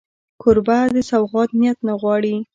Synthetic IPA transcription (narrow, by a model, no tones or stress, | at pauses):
kʰʊɾbad̪əsawɣɑt̪̚njat̪naɣwɑɽi